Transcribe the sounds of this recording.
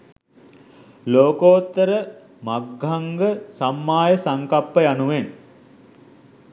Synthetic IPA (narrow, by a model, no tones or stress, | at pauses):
loːkoːt̪ːəɾə | maɡʱaŋɡəsamːaːjəsaŋkapːəjanuʋen